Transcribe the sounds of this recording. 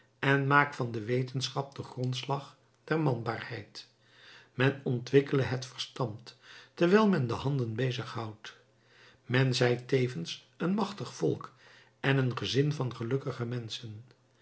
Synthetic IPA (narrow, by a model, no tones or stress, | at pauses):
ɛnmaːkfɑndəʋejtənsχɑp̚dəχrontslɑχ | d̥ɛɹmɑnbaːrhɛjt | mɛnɔntʋɪkələɦətfəɹstɑntːəɹʋɛjlˠmɛndəɦɑndənbejzəχɦɑwt | mɛnzɛjtejvəns | ənmɑχtəχfɔ̰lˠk | ɛnənχəzɪnvɑnχəlɵkəχəmɛnsən